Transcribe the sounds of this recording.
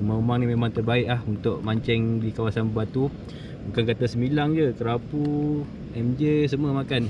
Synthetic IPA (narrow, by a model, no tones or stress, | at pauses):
maumaŋnimemãŋt̪ərbaɪʔlahunt̪ʊʔ̚maɲt͡ʃɛŋdikawasanbəbat̪u | bukankat̪asəmilaŋd͡ʒəkəɾapu | ɛmd͡ʒesəməmakan